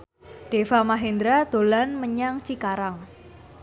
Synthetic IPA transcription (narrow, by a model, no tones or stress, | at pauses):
ɖ̥efamaɦend̪ɾad̪̥o̤lanməɲaŋt͡ʃikaɾaŋ